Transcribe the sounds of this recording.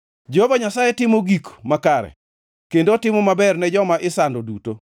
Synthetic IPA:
d͡ʒohobaɲasajɛtɪmoɡikmakaɾɛ̰ | kendotɪmɔmabɛrnɛd͡ʒɔmaʔɪsandoduto

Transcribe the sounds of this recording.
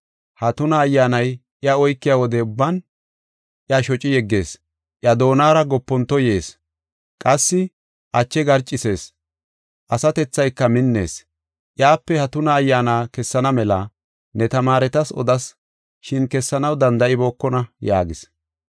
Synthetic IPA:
hɐt̪ʊnɐːjːaːnɐjʔɪɐɔjkːɪjaːwɔd̪ɛʊbːɐn | ʔɪɐʃɔt͡ʃʼɪjɛɡːe̞̰ːs | ʔjɐd̪o̞ːnaːɾɐɡɔpːɔnt̪ːɔje̞ːs | kʼɐsːɪ | ʔɐt͡ʃːɛɡɐɾt͡ʃʼːɪse̞ːs | ʔɐsɐt̪ɛt͡sːɐjkːɐmɪnːe̞̰ːs | ʔɪjaːpːɛhɐt̪ʊnɐːjːaːnaːkɛsːɐnɐmɛlɐ | nɛt̪ɐmaːɾɛt̪ɐsɔ̰d̪ɐs | ʃɪnkɛsːɐnɐwd̪ɐnd̪ɐʔɪbo̞ːkːɔnɐja̰ːɡɪs

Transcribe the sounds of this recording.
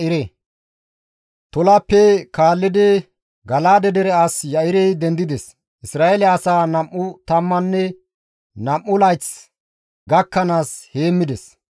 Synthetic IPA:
ɪɾɛ | t̪ɔlapːɛkaːlːɪd̪ɛ | ɡɐlaːd̪ɛd̪ɛɾɛasjɐʔɪɾɛjd̪ɛnd̪ɪd̪ɛs | ʔɪsɾaːelɛɐsaːnɐmʔːʊt̪ɐmːɐnːɛ | nɐmːʊlɐjt͡s | ɡɐkːɐnaːshe̞ːmːɪd̪ɛs

